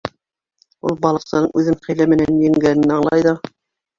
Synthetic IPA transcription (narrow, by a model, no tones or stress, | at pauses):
ṵlˠbɑlˠɤ̆qsɤ̆nɤɴʔʉðɘmχæ̆jlæmɘ̆nænjɘ̆ŋɡænɘ̆nɑɴlˠɑjðɑ